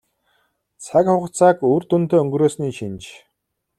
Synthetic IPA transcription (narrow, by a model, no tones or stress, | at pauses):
t͡sʰakχʊχ̆ʰt͡sʰaːkuːrt̪unt̪eːɵŋɡɾoːsniːʃint͡ɕ